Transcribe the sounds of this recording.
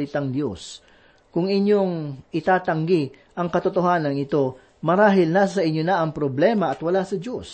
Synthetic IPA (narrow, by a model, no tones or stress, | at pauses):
ɪt̪aŋd̪jo̞s | kʊŋɪɲjo̞ŋʔɪt̪aːt̪ɐŋɡɪ | ʔɐŋkɐt̪ot̪oɦaːnɐŋɪt̪o̞ | mɐɾaːɦɪlnaːssɐʔɪɲonaʔɐŋpɾoblɛːmɐʔɐt̪wɐlasɐd͡ʒo̞s